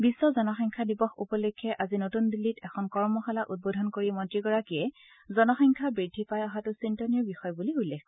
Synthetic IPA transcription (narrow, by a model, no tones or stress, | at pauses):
bisːɔzɔnɔxɔŋkʰadibɔxupɔlukʰːɛʔazinotundilːitɛkʰɔnkɔɹmɔxalaʔut̚bodʱɔnkoɹimɔtɹiɡɔɹakijɛ | zɔnɔxɔŋkʰabɹidʱipajɔɦatʊsintɔniɔbixɔjbuliulːɛkʰ